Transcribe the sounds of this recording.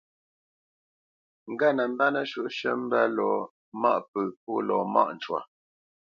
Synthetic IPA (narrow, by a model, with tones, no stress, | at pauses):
ŋ̩˨ɡa˦˨nə˨m̩˦ba˦nə˦ʃu˦ʔʃə˦m̩˦bɛ˦lɔ˨ | ma˦ʔpə˨p̚u˦lɔ˨ma̰˦ʔn̩˨t͡ʃwa̰˨